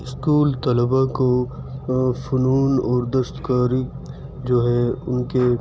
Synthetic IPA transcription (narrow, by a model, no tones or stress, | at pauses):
ɪskuːlt̪ɐləbako | fʊnuːnɔːɾd̪əst̪kaːɾi | d͡ʒoːɦɛʊnke